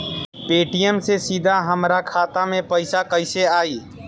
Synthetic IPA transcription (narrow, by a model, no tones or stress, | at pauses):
peːʈijəmsesid̪ʱaɦəmɾakʰaːt̪amẽpəɪsakəɪseaːiː